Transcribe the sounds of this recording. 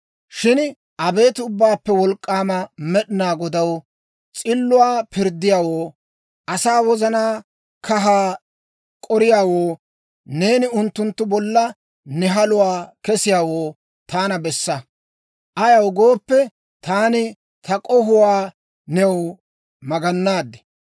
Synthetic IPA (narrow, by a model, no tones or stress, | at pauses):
ʃɪn | ʔɐbe̞ːt̪ʊbːaːpːɛwɔlkʼːaːmɐmɛɗɪnaːɡɔd̪ɐw | t͡sʼɪlːʊwaːpɪɾd̪ːɪjaːwoː | ʔɐsaːwɔzɐnaː | kʰɐɦaː | kʼɔɾɪjaːwoː | ne̞ːnɪʊnt̪ːʊnt̪ːʊbɔlːɐ | nɛɦɐlʊwaːkɛsɪjaːwoː | t̪aːnɐbɛsːɐ | ʔɐjɐwɡo̞ːpːɛ | t̪aːnɪ | t̪ʰɐkʼɔɦʊwaː | nɛw | mɐɡɐnːaːd̪ːɛ̥